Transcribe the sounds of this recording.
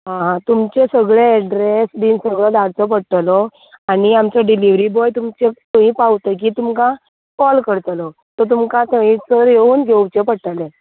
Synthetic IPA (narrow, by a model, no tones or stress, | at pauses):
ɦãɦãt̪umt͡ɕesəɡɭeɛɖɾesd̪iːnsəɡɭəd̪aɽt͡səp̬əɽʈ̪əlɔ | aɽ̃iamt͡ɕaɖiliʋɾibɔjt̪umt͡ɕet̪ə̃ɦĩpawt̪ək̬iːt̪umkã | kɔlkəɽt̪lɔ | t̪ɔt̪̬umkãt̪əit͡səɾjeuːnɡʱeut͡ɕepəɽʈəle